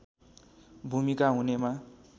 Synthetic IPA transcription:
bʱumikaɦunema

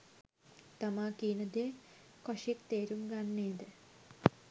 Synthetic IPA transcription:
t̪amaːkiːnəd̪eː | koʂikt̪eːɾumɡanːeːd̪ə

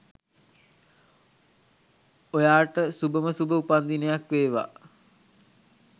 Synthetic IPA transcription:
ojaːʈəsubəməsubəupand̪inejakʋeːʋa̰

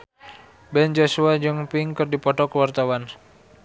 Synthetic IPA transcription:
bɛnd͡ʒɔsuad͡ʒɔŋpiŋkɨrdipɔt̪ɔkəwart̪awan

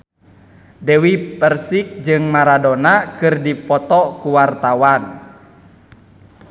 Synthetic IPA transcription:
dɛwipərsik̚d͡ʒɨŋmaɾadɔnakɨrdipɔt̪ɔkuwart̪awan

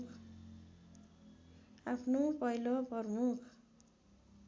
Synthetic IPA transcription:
k | apʰnopʌjlopʌrnukʰ

